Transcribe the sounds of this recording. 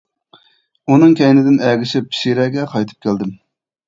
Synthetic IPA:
unɨŋkʲɛjnɪd̪ɪnɛɡʲɪʃɪp̚ʃiɾɛɡʲɛqʰɑjt̪ʰɨ̥p̚kʲʰæld̪ɪm

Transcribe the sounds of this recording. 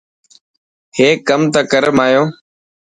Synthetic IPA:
heːkːəmt̪aːkəɾəmaːjoː

